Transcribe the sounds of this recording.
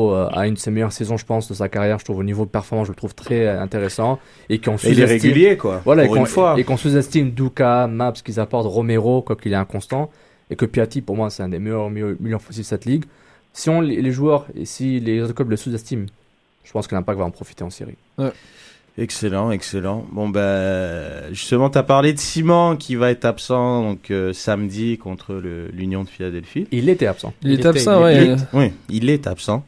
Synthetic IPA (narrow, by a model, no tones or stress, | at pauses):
øa̰ynd̪əsemɛjœʁsezɔ̃ʒəpɑ̃sd̪əsakaʁjɛʁʒət̪χuvonivoəpɛʁfɔʁmɑ̃sʒələt̪χuv̥t̪χɛɛ̃t̪eʁesɑ̃ | ekɔ̃suzɛʁeɡ̪iymljekwavwalaeɔ̃waekɔ̃suzɛst̪imd̪ukamapskilzapɔʁt̪ʁɔmeʁokwakilɛɛ̃kɔ̃st̪ɑ̃ | ekəpiat̪ipuʁmwasɛɛ̃d̪emɛjœʁmjømiljœʁfɔs̬id̪sɛt̪liɡ | siɔ̃leleʒuœʁḛsilezɔt̪klœbləsuzɛst̪im | ʒ̥ə̥pɑ̃skəlɛ̃pakt̪vaɑ̃pχɔfi̥t̪eɑ̃sḭʁḭ | wɛ | ɛkselɑ̃ɛkselɑ̃bɔ̃ba | ʒyst̪əmɑ̃t̪yapaʁled̪əsimɑ̃kʲʰivaɛt̪χapsɑ̃d̪ɔ̃køsamd̪ikɔ̃t̪χələlynjɔ̃d̪əfilad̪ɛlfiilet̪ɛapsɑ̰̃ilet̪asɑ̃wɛiwɛilɛt̪apsɑ̃